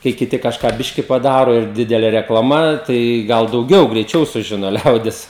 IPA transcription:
kɐɪ kʲɪˈtʲɪ kɐʃˈkɑː ˈbʲɪʃʲkʲɪ pɐˈdɑːroː ɪr ˈdʲɪdʲɛlʲeː rʲɛklˠɐˈmɐ tɐɪ ˈɡɐlˠ dɐʊˈɡʲɛʊ ɡrʲɛɪˈt͡ʃʲɛʊ sʊˈʒʲɪnoː ˈlʲɛʊdʲɪs

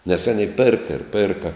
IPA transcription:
nʲɛs ˈɑːnʲɛɪ ˈpʲeːrkɐ ɪr ˈpʲeːrkɐ

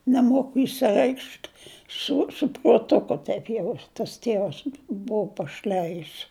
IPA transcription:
nʲɛˈmoːkʊ ɪʃʲsʲɪˈrʲɛɪkʃt sʊ sʊ pruɔtˈʊkʊ ˈtɐɪp jɛʊ tɐs ˈtʲeːʋɐs ˈbʊʊ pɐˈʃʲlʲæjɪs

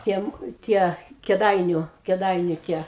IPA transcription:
ˈtʲiɛm ˈtʲiɛ kʲɛˈdɐɪnʲʊ kʲɛˈdɐɪnʲʊ tʲiɛ

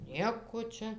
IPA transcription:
ˈnʲiɛkoː ˈt͡ʃʲɛ

